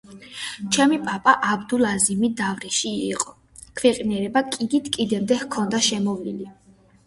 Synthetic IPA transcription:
t͡ʃʰɛmipʼapʼaʔabd̪ulazimid̪avɾiʃiḭqʼɔ | kʰvɛqʼnɛɾɛbakʼid̪it̪ʰkʼid̪ɛmd̪ɛhkʰɔnd̪aʃɛmɔvlḭli

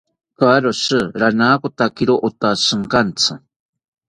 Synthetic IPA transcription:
kaɾoɕɨɾanaːkot̪akiɾoʔot̪asɨŋkant͡sʰɨ

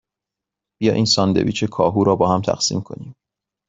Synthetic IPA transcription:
b̥ijɒ̰ːʔiːnsɒːnd̪ḛviːt͡ʃʰekʰɒːɦuːɾɒːbɒːhæmt̪ʰæ̰xsḭːmkʰo̞̰niːm

